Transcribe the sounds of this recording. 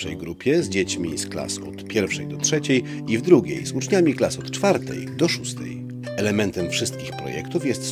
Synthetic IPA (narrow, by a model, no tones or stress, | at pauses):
ɛ̰jɡɾupʲjɛzd͡ʑet͡ɕmʲḭskla̰sɔ̰t̪pʲjɛɾfʂɛjd̪ɔtʂɛt͡ɕej | ivd̪ɾuɡʲḛjzut͡ʂɲamʲiklasɔt̪t͡ʂfaɾt̪ɛ̰jd̪ɔʂust̪ɛ̰j | ɛlɛmɛnt̪ɛmfʂɘst̪kʲixpɾɔ̰jɛ̰kt̪ufjɛst̪